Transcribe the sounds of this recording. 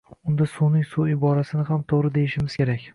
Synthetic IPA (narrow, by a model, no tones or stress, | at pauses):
ʊnd̪asunɪŋsuɪbɒɾasɪnɪɦamt̪ʰoʁɾɪd̪e̞jɪʃɪmɪzkʲe̞ɾakʲ